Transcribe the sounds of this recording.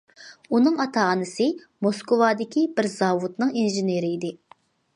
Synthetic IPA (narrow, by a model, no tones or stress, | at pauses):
unɨŋɑt̪ʰɑːnɨsɪ | moskowɑːd̪ɪkʲibɪɾzɑːvut̪nɨŋinʒɪneɾɪid̪ɪ